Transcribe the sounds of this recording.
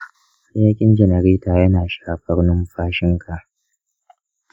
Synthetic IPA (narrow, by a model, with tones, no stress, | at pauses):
jaː˦kʲʼɪ˦nd͡ʒɛ˨nɐ˨ɾiː˦taː˨jɐ˦naː˨ʃaː˦˨˦ɸɐ˦ɽnʊ˦mɸaː˦ʃɪ˦ŋkʰa˨ʔ